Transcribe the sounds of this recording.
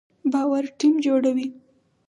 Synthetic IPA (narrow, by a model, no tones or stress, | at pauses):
bɑwaɾʈimd͡ʒoɽawi